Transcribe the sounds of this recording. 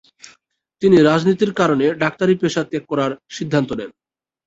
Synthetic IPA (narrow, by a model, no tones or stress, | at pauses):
t̪iniɾad͡ʑnit̪iɾkaɾoneɖak̚t̪aɾipeʃat̪ek̚kːɔɾaɾʃid̪ʱːant̪onen